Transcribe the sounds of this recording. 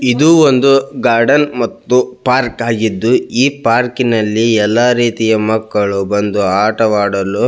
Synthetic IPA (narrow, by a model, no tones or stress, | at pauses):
id̪uːond̪uɡaːɾɖɐnmɐt̪ːupaːɾkaːɡid̪ːuiːpaːɾkinɐlːiɛlːaːɾiːt̪ijɐmɐkːɐɭubɐnd̪uaːʈɐʋaːɽɐlu